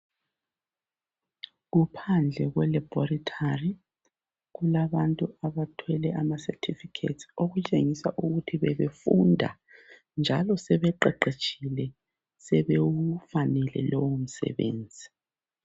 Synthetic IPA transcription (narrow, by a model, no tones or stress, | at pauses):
ɣupʰand͡ɮʱɛɣwɛlɛbɔritʰari | ɣulaβantʼuaβatʰwɛlɛʔamasɛtʰifikʰḛtsoɣut͡ʃʼeŋisa̰ʔuɣutʰiβɛβefundʱa̰ | nd͡ʒʱalɔsɛβɛǃɛǃet͡ʃʰʼilɛ | sɛβeufanɛlɛ̰lɔwom̩sɛ̰βḛːnd͡zʱi